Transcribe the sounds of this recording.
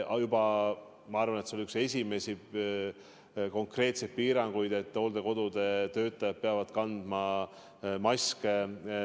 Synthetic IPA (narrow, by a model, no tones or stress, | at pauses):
jubɑ | mɑɑrvɑnet̪seoliykse̞sʲime̞si | ko̞ŋkre̞ːt̪se̞jd̪̚piːɾɑŋɡ̥ujd̪e̞t̪ːˑo̞ːld̪̥e̞ko̞d̪̥ud̪̥e̞t̪ø̞ːt̪ːˑɑjɑt̪̚pe̞ɑvɑd̪̥kɑnd̪̥mɑ | mɑske